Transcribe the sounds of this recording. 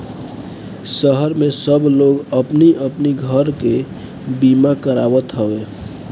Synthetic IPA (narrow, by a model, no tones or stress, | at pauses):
səɦəɾmesəbloɡəpniʔəpniɡʱəɾke | bimakəɾawət̪ɦəwe